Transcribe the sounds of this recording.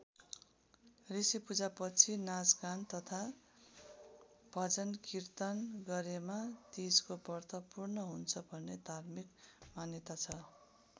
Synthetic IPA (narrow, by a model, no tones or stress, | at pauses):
risipud͡zapʌt͡sʰinad͡zɡant̪ʌt̪ʰa | b̥ʱʌd͡zʌnkirt̪anɡʌɾemat̪id͡zkobʌrt̪ʌpurnʌɦunt͡sʰʌbʱʌnːed̪ʱarmikmanjʌt̪at͡sʰʌ